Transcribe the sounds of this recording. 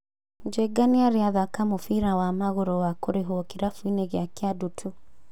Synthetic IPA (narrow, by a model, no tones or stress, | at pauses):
d͡ʒeɡaniaɾeaðakamofiɾawamaɣoɾɔwakoɾeɦoɔkiɾafuineɣjakjadutʰu